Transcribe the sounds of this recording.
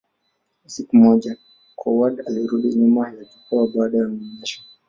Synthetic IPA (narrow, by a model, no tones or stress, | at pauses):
sikumɔʄa | kʰɔwaɗaliɾuɗiɲumajakikɔwaɓaːɗajamiɲɛʃḁ